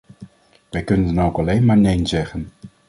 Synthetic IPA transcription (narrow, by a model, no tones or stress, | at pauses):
ʋɛjkɵnəndɑnowkɑlejnmaːɹnejnzɛχən